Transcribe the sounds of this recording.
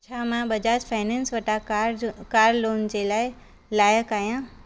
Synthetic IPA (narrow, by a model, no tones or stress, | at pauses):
t͡ɕʰaːmãbɐd͡ʑaːd͡ʑfʰaːɪnɛ̃ːnsʋɐʈakaːɾloːnd͡ʑeːlaːɪ | laːjəkaːɦijã